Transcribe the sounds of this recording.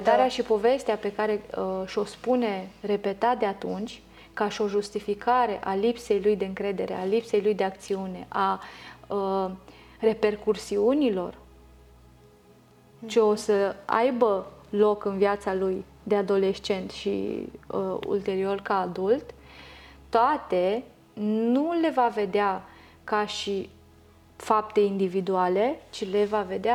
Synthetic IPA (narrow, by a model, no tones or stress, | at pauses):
d̪aɾeaʃipo̞ve̞st̪eape̞kaɾe̞əʃo̞spune̞re̞pe̞t̪at̪̚d̪e̞at̪unt͡ʃʲ | kaʃio̞ʒust̪ifikaɾe̞ʔalipse̞jlujd̪eɨŋkɾe̞d̪e̞ɾe̞̰alipse̞jlujd̪e̞ak̚t̪siune̞̰ʔaə | re̞pe̞rkursiunilo̞̰r | t͡ʃeo̞səa̰jbəlo̞kɨnviat̪saluj | d̪e̞ad̪o̞le̞ʃt͡ʃe̞nt̪ʃḭəṵlt̪e̞ɾio̞rkaːd̪ult̪ | t̪ːoat̪e̞ | nnule̞vave̞d̪ea | kaʃi | fap̚t̪e̞ind̪ivid̪uale̞t͡ʃile̞vave̞d̪ea